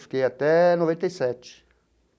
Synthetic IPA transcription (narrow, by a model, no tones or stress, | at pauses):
fkeat̪ɛnovẽnt̪esɛt͡ʃː